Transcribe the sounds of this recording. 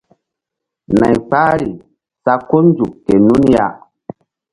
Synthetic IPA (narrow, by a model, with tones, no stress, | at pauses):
na˨jk͡paː˦ɾi˨ | sa˧ko˦nd͡zu˨kːe˨nu˦nja˦